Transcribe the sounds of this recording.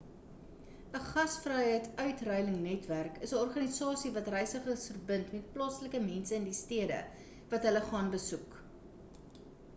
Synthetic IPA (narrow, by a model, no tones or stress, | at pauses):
əχɐsfrɛjɦəjtœɥtrœjləŋnɛtværkəsəɔrχɐnisɑːsivɐtrɛjsəχəsfərbəntmɛt̚plɑːsləkəmɛnsəəndistiədə̰ | vɐtɦələχɑːnbəsuk